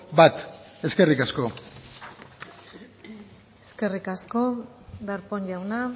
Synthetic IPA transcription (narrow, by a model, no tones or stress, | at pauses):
bat̪e̞ske̞rikasko̞ | eske̞rikasko̞ | d̪aɾpoɲʝawna